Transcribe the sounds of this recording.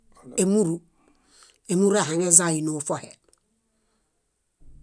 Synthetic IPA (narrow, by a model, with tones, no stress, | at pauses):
e˨mu˦ɾu˨ | e˨mu˦ɾe˨ha˨ŋe˦za˦˨ji˨no˨fo˦hḛ˨